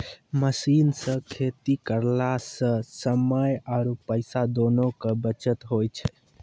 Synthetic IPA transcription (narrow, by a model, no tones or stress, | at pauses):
məsinsə̃kʰet̪ikəɾlasə̃səməjaɾupəɪsad̪onokəbət͡ʃət̪ɦojt͡ʃʰɛ